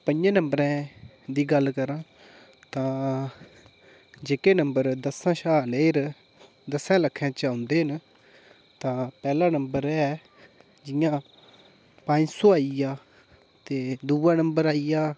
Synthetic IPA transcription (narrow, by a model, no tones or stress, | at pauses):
pəɲd͡ʒãːnəmbɾɛ̃ː | d̪iːɡəlkəɾãː | t̪ãː | d͡ʒeːkeːnəmbəɾd̪əsãːʃaːleːɾ | d̪əsɛ̃ːləkʰːɛ̃ːt͡ʃaːʊnd̪eːɦən | t̪ãːpɛːlãːnəmbəɾɛː | d͡ʒɪjãː | pə̃ɲd͡ʒsoːaːijaː | t̪eːd̪uːwãːnəmbəɾaːijaː